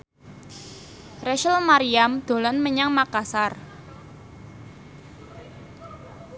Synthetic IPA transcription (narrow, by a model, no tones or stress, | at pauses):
rɛʃəlmaɾiamd̪̥o̤lɔnməɲaŋmakasar